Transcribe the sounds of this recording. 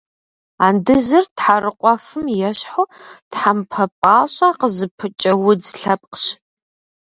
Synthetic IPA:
aːndɨzɨrtħarɨqʷʼɔfɨmjɛɕħotħampʰɐpʼaːɕʼɐqəzɨpʰɨt͡ʃʼɐwʊdɬɐp̚ʼqɕ

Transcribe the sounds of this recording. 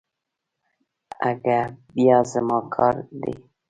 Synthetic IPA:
a̰ɡaɾbiɔzəmɔkʰɔɾdḛ

